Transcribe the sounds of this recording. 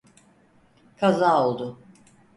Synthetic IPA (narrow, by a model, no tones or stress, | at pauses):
kʰazaːolˠd̪ʊ